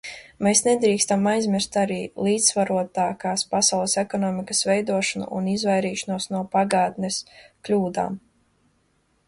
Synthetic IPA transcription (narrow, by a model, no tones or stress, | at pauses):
meːsned̪ɾiːkst̪amajzmʲiɾst̪aɾiːlˠiːd̪ssvaɾuɔt̪aːkaːspasawlˠɛsɛkɔnɔːmikɐsvɛjd̪uɔʃɔnṵʔunizvajɾiːʃɔnuɔsnuɔpaɡaːt̪nɛsklʲuːd̪a̰ːm